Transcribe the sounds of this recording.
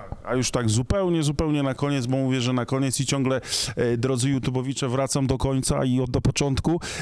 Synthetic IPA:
a̰juʂt̪aɡzupɛwɲɛzupɛwɲɛnakɔɲɛd̪zbɔmuvʲjɛʐɛnakɔɲɛt̪sit͡ɕɔŋɡlɛd̪ɾɔd̪zɘjut̪ubɔvʲit͡ʂɛvɾat̪samd̪ɔkɔɲt̪sa̰iɔd̪dːɔpɔt͡ʂɔnt̪ku

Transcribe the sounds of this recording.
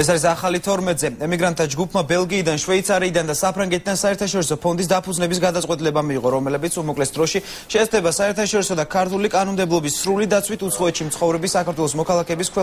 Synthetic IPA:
ɛsaɾisaχalit̪ʰɔɾmɛt̪zɛɛmiɡɾant̪tʰːad͡ʒɡupʰmabɛlˠɡiːd̪anʃwɛit̪sʰaɾiːd̪and̪asapʰɾaŋɡɛt̪ʰid̪ansaɛɾt̪ʰaʃɔɾisɔpʰɔnd̪is̬d̪apʰud̪znɛbis̬ɡad̪at̪sʼɛt̪ʼilɛbamiːʁɔɾɔmɛlɛbit̪sʰumɔkʼlɛtsd̪ɾɔʃi | ʃɛst̪ʰɛbasaɛɾt̪ʰaʃɔɾisɔd̪akʰaɾt̪ʰulikʼanɔmd̪ɛblˠɔbisːɾulid̪at̪sʰwit̪ʰut̪sʰχɔɛt̪ʃimt̪sʰχɔvɾɛbisakʰaɾt̪ʰwɛlˠɔsmɔkʰalˠakʰɛːbiskʰwɛ

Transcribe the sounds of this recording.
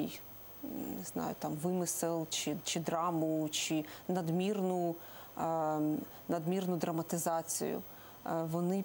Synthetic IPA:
j | nɪz̥nɑ̰jʊ̰t̪ɑmʋɪmɪsɪlˠt͡ʃɪt͡ʃɪd̪ɾɑmʊt͡ʃɪnɐd̪mʲirnʊ | nɐd̪mʲirnʊd̪ɾɐmɐt̪ɪzɑt͡sʲḭjʊ̰ | ʋɔnɪ

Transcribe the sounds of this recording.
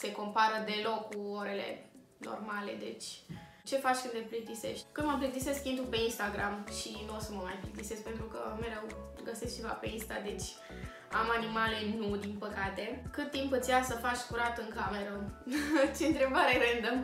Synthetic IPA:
se̞ko̞mpaɾəd̪e̞lo̞kːuoɾe̞le̞̰ | no̰rmale̞̰d̪e̞̰t͡ʃʲ | t͡ʃe̞fat͡ʃʲkɨnd̪leplit̪ise̞̰ʃt̪kɨnd̪məmplit̪ise̞skʲind̪upe̞inst̪aɡɾamʃinuosəməmajplikt̪ise̞skpe̞nt̪ɾukə̰me̞ɾew | ɡəse̞sk̚t͡ʃe̞va̰pe̞inst̪ad̪e̞t͡ʃʲ | a̰manimale̞nud̪inpəkat̪e̞kɨt̪ːimpɨt̪sʲjasəfat͡ʃʲkuɾat̪ɨŋkame̞ɾə | t͡ʃe̞ɨnt̪ɾe̞baɾeɾend̪əm

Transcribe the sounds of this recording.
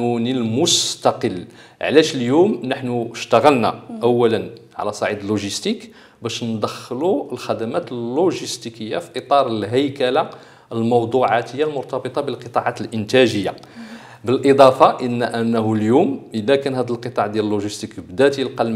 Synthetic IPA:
unilmʊst̪ɑqəlː | ʕlæʃəljumnəħnuʃt̪aɣəlna̰ʔæwːælənʕa̰læsˤɑʕid̪əlːuʒəst̪ik | bæʃnd̪əxːluəlxæd̪æmæt̪əlːuʒəst̪ikəjːa̰fi̥ʔət̪ˤɑɾˤəlɦəjkæla | əlmɑwd̪ˤuʕat̪əjːalmʊɾt̪ɑbət̪ˤɑbəlqət̪ˤɑʕat̪əlʔənt̪æʒəjːa | bəlʔəd̪ˤɑfɑʔənːæʔənːɦuljumʔəlːækænhæd̪əlqət̪ˤɑʕd̪jæləlːuʒist̪ikbd̪æt̪ilqɑlm

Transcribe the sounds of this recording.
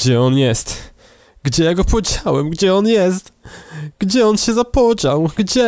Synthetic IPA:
d͡ʑɛɔnjɛst̪ | ɡd͡ʑɛjaɡɔpɔd͡ʑawɛmɡd͡ʑɛɔnjɛst̪ɡ̥d͡ʑɛɔnɕɛzapɔd͡ʑawɡd͡ʑɛ

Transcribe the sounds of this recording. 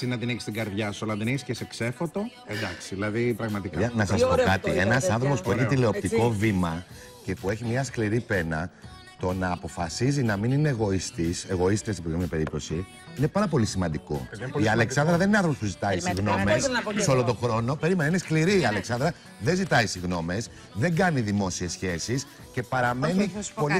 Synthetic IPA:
sinɐt̪iniçi̥st̪iɡɐɾðʝɐsoɐlɐðeniçiscesekse̞fot̪o̞end̪ɐksiðilɐðipɾɐɣmɐt̪ikɐnɐsɐspokkɐt̪ienɐsɐnθɾo̞po̞spueçit̪ile̞o̞pt̪iko̞vimɐ | ce̞pue̞çimɲɐskliɾipe̞nɐ | t̪o̞nɐːpo̞fɐsizinɐminineɣo̞ist̪ise̞ɣo̞ist̪est̪ipomɲɐpe̞ɾip̚t̪osi | ine̞pɐɾɐpo̞lisimɐnd̪iko̞̰iɐle̞ksɐnd̪ɾɐðenineɐ̃nθɾopospuzit̪ɐisiɣno̞messeo̞lot̪o̞xɾo̞no̞pe̞ɾimenɐine̞skliɾiɐle̞ksɐnd̪ɾɐ | ðe̞nzit̪ɐisiɣno̞me̞s | ðe̞ŋɡɐniðimo̞sie̞sçe̞sis | ce̞pɐɾɐme̞nipo̞li

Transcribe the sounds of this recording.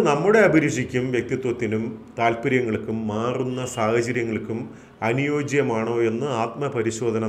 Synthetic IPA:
nɐmːuɽe̞ɐbʱiɾiʂikʲːumʋjek̚t̪it̪wɐt̪ːinumt̪aːlpiɾjɐŋːɐɭkːumːaːrunːɐsaːhɐt͡ɕɐɾjɐŋːɐɭkːum | ɐnujoːd͡ʑɐjɐmaːɳo̞ːe̞nːɨaːt̪mɐpɐɾiɕo̞ːd̪ʱɐnɐ

